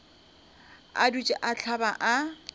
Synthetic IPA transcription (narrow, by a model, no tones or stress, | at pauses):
a̰dut͡ʃʼɪʔat͡ɬʰabaʔa